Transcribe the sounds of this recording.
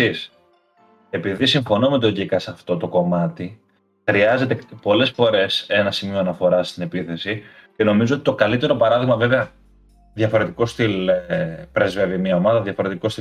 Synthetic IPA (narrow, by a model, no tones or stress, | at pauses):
is | e̞piðisiɱfo̞no̞me̞t̪̬o̞ʝikɐsɐft̪o̞t̪o̞ko̞mɐt̪i | xɾiɐze̞t̪e̞po̞le̞sfo̞ɾe̞se̞nɐsimio̞ɐnɐfo̞ɾɐst̪ine̞piθe̞sice̞no̞mizoot̪i̥t̪o̞kɐlit̪e̞ɾo̞pɐɾɐðiɣmɐve̞veɐ | ðʝɐfo̞ɾe̞t̪iko̞st̪il | pɾezve̞vimɲɐo̞mɐðɐðjɐfo̞ɾe̞t̪iko̞st̪i